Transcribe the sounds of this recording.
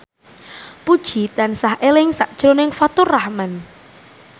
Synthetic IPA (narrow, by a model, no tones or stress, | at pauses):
pud̥ʒ̥i̤t̪ansahʔelɪŋsaʔd̥ʒ̥ɾonɪŋfat̪ʊrahman